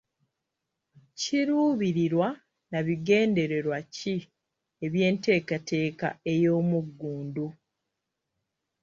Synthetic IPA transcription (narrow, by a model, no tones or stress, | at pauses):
ciɾuːβiɾiɾwa | naβiɡe̞ːnde̞ɾe̞ɾwaci | e̞βje̞ːnte̞ːkate̞ːka̰e̞jo̞ːmuɡːuːndu